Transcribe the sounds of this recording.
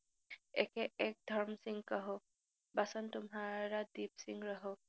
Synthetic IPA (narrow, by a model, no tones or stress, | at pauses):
ɛ̰kɛɛk̚d̪ʱɔɹmsiŋɡkaɦʊ | basɔntʊmɦaɹadib̚siŋɹɔɦʊ